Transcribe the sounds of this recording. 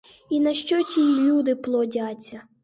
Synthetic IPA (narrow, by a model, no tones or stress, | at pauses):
inɐʃt͡ʃɔtʲilʲud̪ɪplˠɔdʲat͡sʲːɐ